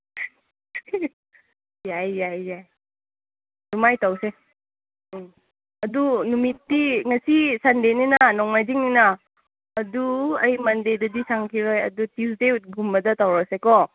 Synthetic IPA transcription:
jajjajjaj | dumajtawse | ɐdunumitːiŋɐsisandeninɐnɔŋmajziŋninɐː | duɐjmɐndedɐdisaŋkʰiɾojɐ̰dutisdeut̚ɡumbɐdɐtawɾasekɔ

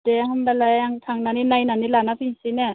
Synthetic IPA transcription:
dɛhambalajaŋt̪ʰaŋnaninajnanilanapʰisinɛ

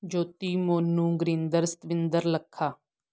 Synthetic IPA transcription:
d͡ʒoːt̪iːmoːnːũːɡɾĩnd̪əɾsə̥t̪ʋɪnd̪əɾləkʰːaː

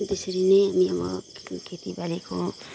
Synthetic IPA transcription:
d̪esʌɾineɦamiəmʌkʰet̪ibalikʰo

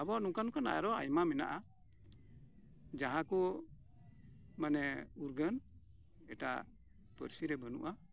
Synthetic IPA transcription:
abɔnũkankɔna̰ʔja̰ɾɔa̰jmamɛna̰ʔa | d͡ʒaɦãku | manɛuɾɡən | ɛʈa̰ | pə̰ɾsiɾɛbənṵʔa

